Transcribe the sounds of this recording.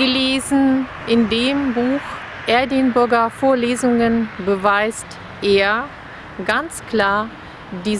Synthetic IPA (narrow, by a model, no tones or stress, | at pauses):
ɡəleːzn̩ʔɪndeːmbuːx | ʔɛɐdɪnbʊɐɡɐfoːɐleːzʊŋənbəvaɪst | ʔeːɐ | ɡant͡skl̥aːɐ | diː